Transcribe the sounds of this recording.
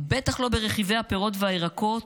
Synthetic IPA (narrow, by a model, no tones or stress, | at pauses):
be̞t̪aχlo̞be̞ʁeχivejhapeʁo̞tveaeʁako̞t